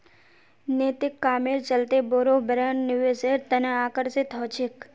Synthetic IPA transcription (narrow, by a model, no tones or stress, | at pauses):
net̪ɪkːaːmeɾt͡ʃəlt̪eboːɾobʱəɾanːɪʋeseɾt̪əneaːkəɾsɪt̪ɦot͡ʃʰek